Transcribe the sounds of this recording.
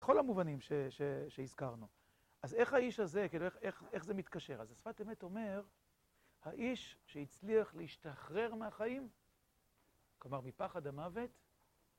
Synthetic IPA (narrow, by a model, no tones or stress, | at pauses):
eχo̞lamuvanimʃeʃeʃeizkaʁnu | ʔaze̞χhaiʃhaze̞kiilueχeχe̞χze̞mit̪kaʃe̞ʁazasfateme̞to̞me̞ʁ | haʔiʃʃeit͡sliaχleiʃtaχʁe̞ʁmeaχaim | klomaʁmipaχadhamave̞t